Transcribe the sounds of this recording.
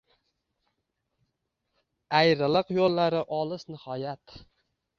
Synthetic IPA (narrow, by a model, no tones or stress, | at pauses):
ajɾɪlˠɨqjolˠːaɾɪʔɒlˠɪsnɪhɒjat̪